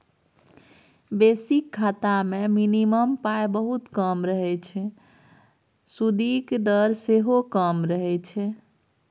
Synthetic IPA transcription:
besikʰːat̪ameminiməmpaebəɦut̪kəmɾəɦɛt͡ʃʰɛ | sud̪ikd̪əɾseɦokəmɾəɦɛt͡ʃʰɛ

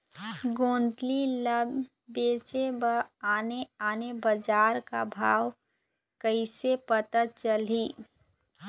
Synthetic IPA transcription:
ɡõːnd̪liləbː | eːt͡ʃebəaːneaːnebəd͡ʒaːɾka̰bʱaːw | kəɪsepət̪ət̪̚t͡ʃəli

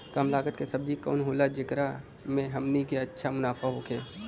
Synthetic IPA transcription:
kəmlaːɡət̪kesɐb̚d͡ʒikɔ̰ːnɦoːlad͡ʒɪkɾa | mẽɦɐmnikeɐtːʃʰamʊnaːfaɦoːkʰeː

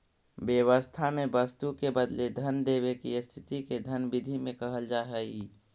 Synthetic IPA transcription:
bjəwəst̪ʰamẽbəst̪ukebəd̪led̪ʱənd̪eːwekist̪ʰɪt̪iked̪ʱənbɪd̪ʱimẽkəɦəld͡ʒaːɦɛi

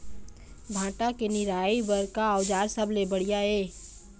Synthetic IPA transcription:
bʱãːʈakenɪɾaːibəɾkaəʊd͡ʒaːɾsəblebəɽijaɦeː

